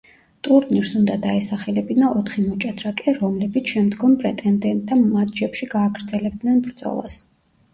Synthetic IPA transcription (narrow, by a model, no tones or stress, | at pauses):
t̪ʼuɾniɾsund̪ad̪aɛsaχɛlɛbinaʔɔt̪ʰχimɔt͡ʃʼad̪ʰɾakʼɛɾɔmlɛbit̪sʰʃɛmd̪ɡɔmpʼɾɛt̪ʼɛnt̪ɛnt̪ʼd̪amad̪d͡ʒɛpʃiɡaːɡɾd̪zɛlɛb̚d̪nɛnbɾd̪zʼɔ̰lˠa̰s